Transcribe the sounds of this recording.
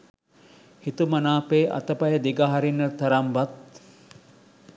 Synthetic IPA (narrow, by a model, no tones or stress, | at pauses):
hit̪umɐnaːpeːʔɐ̰t̪əpɐjəd̪iɡaɦaɾinːət̪ɐɾambat̪̚